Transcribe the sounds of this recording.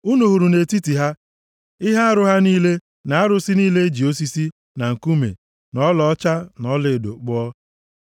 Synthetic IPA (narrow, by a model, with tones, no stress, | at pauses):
u˦nu˨ɦu˨ɾu˨ne˨ti˦ti˨ɦa˦ | ɪ˦ɦa˦a˦ɾʊ˦ɦa˦niː˦le˦ | na˨a˦ɾʊ˨si˦niː˦le˦e˦d͡ʒi˨o˦si˦si˦ | na˨ŋ̩˨ku˦mḛ˨ | nɔ˦lɔ˨ɔ˦t͡ʃa˦nɔ˦lɪ˨do̰˨k͡pɔ˦ɔ˦